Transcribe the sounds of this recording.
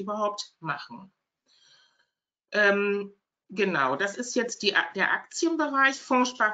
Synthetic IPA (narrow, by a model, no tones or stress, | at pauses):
ʔyːbɐɦaʊp̚tmaχn̩ | ʔɛːm | ɡənaʊd̥asɪstjɛt͡st̚d̥iʔd̥eːɐʔa̰k̚t͡sjənbəʁaɪçfɔʃpa